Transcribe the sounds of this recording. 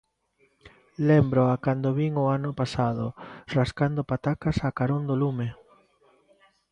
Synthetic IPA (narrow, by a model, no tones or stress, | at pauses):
lembɾoakand̪oβiŋoanʊpasað̞oraskand̪opat̪akasakaɾond̪olume